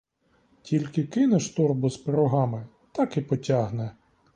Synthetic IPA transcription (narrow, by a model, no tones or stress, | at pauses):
tʲilʲkɪkɪnɛʃt̪ɔrbʊzpeɾɔɦɑmɪ | t̪ɑkipɔtʲɑɦnɛ